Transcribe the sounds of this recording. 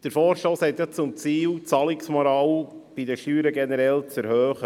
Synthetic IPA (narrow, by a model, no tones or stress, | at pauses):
d̥əɾfɔːɾʃtoːshɛt̪jɑt͡sʊmt͡siːlt͡sɑlɪksmɔɾɑwb̥idəʃtyːɾəɡɛnəɾɛlt͡sɛɾhøːχə